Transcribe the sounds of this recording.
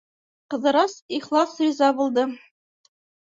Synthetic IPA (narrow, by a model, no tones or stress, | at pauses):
qɤ̆ðɤ̆ɾɑsiχlˠɑsrizɑbulˠd̪ɤ